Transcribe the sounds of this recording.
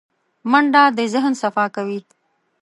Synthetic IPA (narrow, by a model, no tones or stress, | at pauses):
maɳɖɑd̪əzɪɦənsafɑkawi